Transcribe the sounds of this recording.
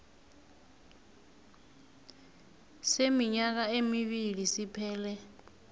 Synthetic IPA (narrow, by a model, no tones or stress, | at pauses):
semiɲak̬aemiɓilisipʰɛːlɛ